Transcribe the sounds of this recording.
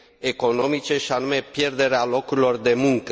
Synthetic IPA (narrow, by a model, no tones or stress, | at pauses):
e̞ko̞no̞mit͡ʃe̞ʃianume̞pje̞rd̪e̞ɾealo̞kuɾilo̞rd̪e̞muŋkə